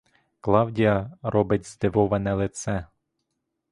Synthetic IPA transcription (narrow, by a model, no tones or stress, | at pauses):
klˠɑwdʲiɐɾɔbɪtʲzd̪ɪʋɔʋɐnɛlˠɪt̪sɛ